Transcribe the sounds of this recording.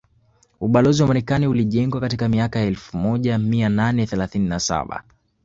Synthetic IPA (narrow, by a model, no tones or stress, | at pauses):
uɓalɔziwamaɾɛkaniuliʄɛŋɡwakatikamiakajaɛlfumɔʄamiananɛθɛlaθininasa̰ɓa̰